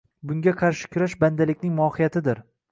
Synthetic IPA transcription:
bʊŋɡʲaqʰɑɾʃɪ̥kʲʰʊɾaʃband̪alɪkʲnɪŋmʊɒhɪjat̪ʰɪd̪ɪɾ

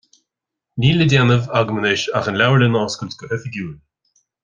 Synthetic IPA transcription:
niːlədʲjanəvaɡmənɪʃa̰xənlʲawlənɔːskʊltkəhɛθəɡjuːl

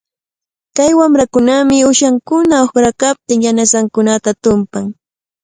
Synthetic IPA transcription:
kajwamɾakʊnamɪʊʃaŋkʊnaoxɾakap̚t̪ɪŋjanasaŋkʊnat̪at̪ʊmpaŋ

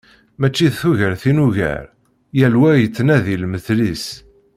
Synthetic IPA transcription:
mæt͡ʃːiðθuʝəɾθinuʝə̰ɾ | jælwæjət͡sːnæðilməθlis

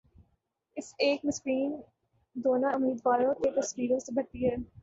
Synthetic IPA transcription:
ɪseːkmɪspiːn | d̪oːnaʊmiːd̪ʋaːlõkep̪ɐsʋiːɾõsebʱɐʈ̪ːiɦɛ

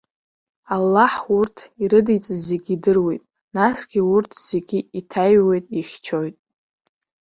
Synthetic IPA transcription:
alːaħurtʰiɾɨdijt͡sʼɨze̞ɡʲidɨrwe̞jtʼ | nasɡ̥ʲiʊrtʰz̥e̞ɡʲiitʰajwe̞jtʼiχʲt͡ʃʰo̞jtʼ

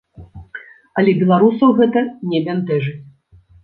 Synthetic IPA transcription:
ɐlʲɛbʲɛlˠaɾusɐwɣɛt̪ɐnʲɛbʲɛnt̪ɛʐɨ

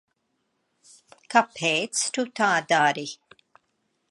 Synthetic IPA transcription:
kaphɛːt͡stut̪aːd̪aːɾi

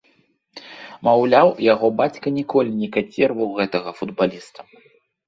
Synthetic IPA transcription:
mawlʲawjaɣɔbat͡sʲkɐnʲɛkɔlʲinʲɛkasʲɛrvɐwɣɛt̪ɐɣɐfud̪balʲist̪ɐ̥

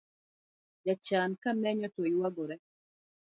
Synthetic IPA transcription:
d͡ʒat͡ʃankamɛɲɔtojwaɡɔɾɛ

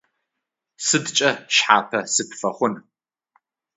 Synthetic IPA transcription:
sɨdt͡ʃʼɐʃħa̰ːpʰɐsɨpʰfɐχʷʊn

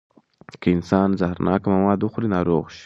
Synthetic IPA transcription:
kəɪnsɑːnzahɾnʔɑ̰ːkamamɑːd̪uxɾinɑːɾoːɣʃ

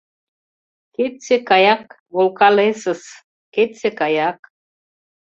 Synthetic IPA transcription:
ket̪sekɑjɑk | βolkɑlesə̆s | ket̪sekɑjɑk

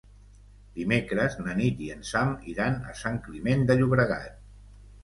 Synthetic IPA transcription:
d̪̥imekɾəznənit̪iənsamiɾanə̰saŋklimend̪əʎuβɾəɣa̰t̪̚

